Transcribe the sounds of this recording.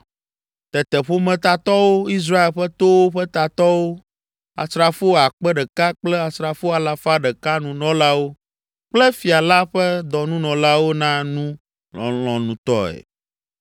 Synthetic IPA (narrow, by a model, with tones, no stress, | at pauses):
t̪ɛ˨t̪ɛ˨ɸo˦mɛ̃˨t̪a˨t̪ɔ˦wo˦i˦s̬ɾa˦e˨lɸɛ˦t̪o˦wo˦ɸɛ˦t̪a˨t̪ɔ˦wo˦ | a̰˨sɾa˨fo˦a˨k͡pɛ˦ɖɛ˨ka˦k͡plɛ˦a˨sɾa˨fo˦a˨la˨fa˦ɖɛ˨ka˦nũ˨nɔ̃˦la˦wo˦ | k͡plɛ˦fi˨a˨la˦ɸɛ˦d̪ɔ˨nũ˦nɔ̃˨la˦wo˦nã˦nũ˦ | ɔ̰˨lɔ̃˨nũ˨t̪ɔ̰˦ɛ̰˨